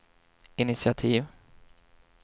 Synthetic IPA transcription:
ɪnɪsɪat̪ʰiːv

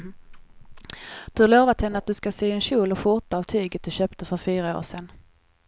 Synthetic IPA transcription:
d̪̥ɵhaɾɭoːvat̪hɛnːəat̪̚d̪ɵskasyːɛnɕuːlɔfʊɾʈ̪aːvt̪ʰyːɡət̪̚d̪ɵɕøːpt̪əfœɾfyːɾao̰ːʂɛn

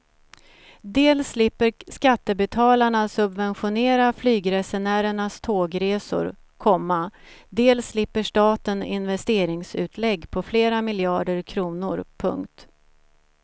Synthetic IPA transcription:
d̪eːlsːlɪpːəɾskat̪ːəbɛt̪ʰɑːlaɳasɵbvɛnɧʊneːɾaflyːɡɾɛsɛnæːɾəɳast̪ʰoːɡɾeːsʊ̰ɾ | kʰɔmːa | d̪eːlsːlɪpːəʂʈɑːt̪ənɪ̰nvɛst̪eːɾɪŋsʉ̟ːt̪ʰlɛɡːpʰɔfleːɾamɪljɑːɖəɾkʰɾuːnʊɾpʰɵ̰ŋkt̪

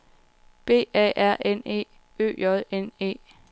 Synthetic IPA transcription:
b̥e̝̰ːɛ̰ʔæɐ̰ʔene̝̰ː | ø̰ːjɒðˠene̝̰ː

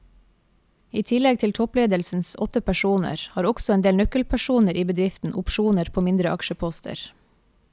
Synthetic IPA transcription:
iːt̪ʰɪlɛɡ̚t̪ʰɪlt̪ʰɔpleːd̪əlsn̩sɔt̪əpʰæʃuːnə̰ɾhɑːɾɔksɔeːnd̪eːlnœkəlpʰæʃuːnəɾʔiːbəd̪ɾɪft̪n̩ʔʊpʃuːnəɾpʰoːmɪnd̪ɾəʔɑkʃəpʰɔst̪ʰə̰ɾ

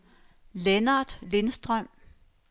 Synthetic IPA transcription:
lenɑd̥le̝nsd̥ʁœm̰

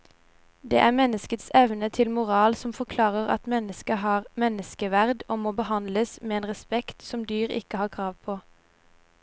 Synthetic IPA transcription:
d̪ḛːʔæːʁmɛnːəskət̪sɛʋnət̪ʰɪlmʊʁɑːlsɔmfɔʁkʰlɑːʁəʁɑ̰t̪mɛnəskəɦɑːʁmɛnəskəʋæʁd̪oːmoːbəhɑnd̪ləsmeːeːnʁɛspɛkt̪sɔmd̪yːʁɪ̰kəhɑːʁkʰʁɑːʋpʰoː

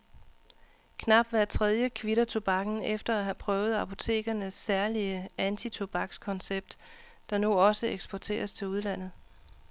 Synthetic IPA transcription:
kʰnɑ̈b̥̚d̥ʋæɐt͡sʰʁɛð̞ˠjəkʰʋiɾɐt͡sʰo̝b̥ɑ̈ɡ̥n̩efd̥ɐæɦæpʰʁœːʊð̞̩ˠɑ̈pʰo̝t͡sʰe̝̰ːɡ̥ɐnəsːæɐliəænt͡sʰit͡sʰo̝b̥ɑ̈ɡ̥skʰɒ̽nseb̥̚d̥ː | ɑ̈nuɒ̽səeɡ̥sb̥ɒt͡sʰe̝̰ːɐst͡sʰe̝luðˠlæn̰ð̞̩ˠ

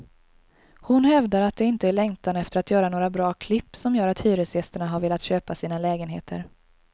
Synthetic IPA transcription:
hʊnhɛvd̪aɾat̪̚d̪ɛɪnt̪əæɭɛŋt̪anɛft̪əɾat̪jœːɾanoːɾabɾɑːkʰlɪpːsɔmjœːɾat̪hyːɾəsjɛst̪əɳaɦaɾveːlat̪ɕøːpasiːnalɛːɡənɦḛːt̪ʰə̰ɾ

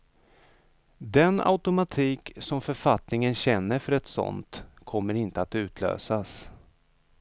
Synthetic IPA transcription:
d̪ɛna̰ʊt̪ʊmat̪ʰiːksɔmfœɾfat̪nɪŋənɕɛnːəɾfœɾɛt̪sɔ̰nt̪kʰɔmːəɾɪnt̪əat̪ʉ̟ːt̪ʰlø̰ːsas

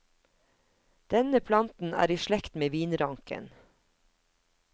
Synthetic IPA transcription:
d̪̥ɛnəpʰlɑnt̪n̩æ̰ːɾiːʃlɛkt̪meːʋiːnɾɑŋkə̰n

